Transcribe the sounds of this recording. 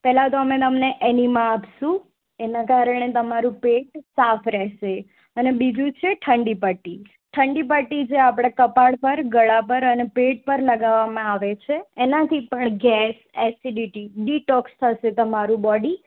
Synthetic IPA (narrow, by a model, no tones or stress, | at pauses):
pɛɦlat̪oəmẽt̪əmneʔɛnimaapʃũ | enakaɾəɳ̃et̪əmaɾũpeʈ̚safɾɛʃe | ənebid͡ʒ̪ʱũt͡ʃʰeʈʰəɳɖipəʈi | ʈʰəɳɖip̬əʈid͡ʒeapɽ̃akəpaɭpəɾɡəɭapəɾənepeʈ̚pəɾləɡaʋamãaʋet͡ʃʰeːnãt̪ʰipəɳɡɛs | ɛsiɖiʈiɖiʈɔkst̪ʰəʃet̪əmaɾũbɔɖi